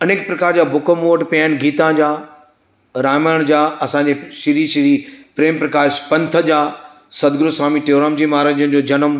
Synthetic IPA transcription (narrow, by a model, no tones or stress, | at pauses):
ɐneːk̚pɾɐkaːɾd͡ʑaːbʱʊkəmoːʈpjaːɪnɡiːt̪ãd͡ʑaː | ɾaːməɽ̃d͡ʑaːɐsãɲd͡ʑeʃiɾiʃiɾipɾeːmpɾɐkaːʃpɐ̃nt̪ʰə̆d͡ʑaː | sɐd̪ɡɾʊsʋaːmiʈeːɾaːmd͡ʑimaːɾənd͡ʑənɪ̆d͡ʑoːd͡ʑɐnəm